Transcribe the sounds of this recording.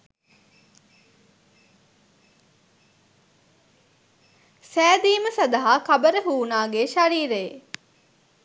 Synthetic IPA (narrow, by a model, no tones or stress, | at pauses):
sæːd̪iːməsɐd̪aɦaːkɐbəɾəɦuːnaːɡeːʃaɾiːɾe